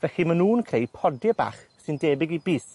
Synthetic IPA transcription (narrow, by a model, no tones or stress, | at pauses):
vɛɬimənuːnkʰrejpʰɔdɪba̰ːχsɨndeːbɪɡibiːs